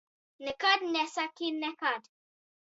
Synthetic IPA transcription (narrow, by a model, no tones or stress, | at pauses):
nɪkadnɛsakinɛkad